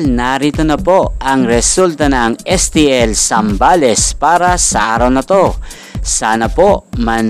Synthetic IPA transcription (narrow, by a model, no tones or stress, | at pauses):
lnaɾiːt̪onɐpo̞ɐŋɾɛsult̪ɐnɐŋɛst̪iɛlsɐmbalɛspaːɾɐsɐʔaːɾɐwnɐt̪o̞ | saːnɐpoʔmɐn